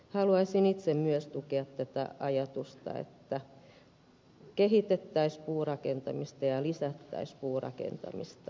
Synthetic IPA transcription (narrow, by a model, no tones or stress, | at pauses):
hɑluɑisinit̪semmyøst̪ukeɑt̪tæt̪æ̰ɑjɑt̪ust̪ɑ̰ḛt̪ːæ | kehit̪et̪ːæispuːrɑkent̪ɑmist̪ɑjɑlisæt̪ːæ̰ispuːrɑ̰kḛnt̪ɑ̰mḭst̪ɑ